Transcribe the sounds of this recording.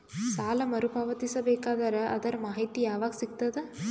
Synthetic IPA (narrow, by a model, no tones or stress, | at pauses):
saːlɐmɐɾupaːʋɐt̪isɐbeːkaːd̪ɐɾɐʔɐd̪ɐɾɐmaːɦit̪ijaːʋaːɡɐsikt̪ɐd̪e